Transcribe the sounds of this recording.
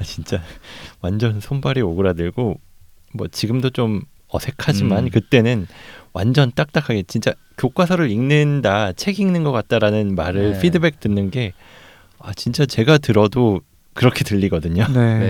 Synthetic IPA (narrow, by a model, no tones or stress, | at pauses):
at͡ɕint͡ɕ͈awand͡ʑʌnsʰombaɾioɡɯɾadɯɭɡo | mwʌ̰t͡ɕiɡɯmdot͡ɕ͈om | ʌsʰe̞kʰad͡ʑimankɯt͈e̞nɯnwa̰nd͡ʑʌnt͈ak̚t͈akʰaɡe̞t͡ɕint͡ɕ͈a | kjok͈wasʰʌɾɯɾiŋnɯndat͡ɕʰe̞ɡiŋnɯnɡʌk͈at̚t͈aɾanɯnmaɾɯɭpɸʰidɯbe̞k̚t͈ɯnːɯnɡe̞ | a̰t͡ɕint͡ɕ͈at͡ɕe̞ɡatɯɾʌdo | kɯɾʌkʰe̞tɯʎːiɡʌdɯɲone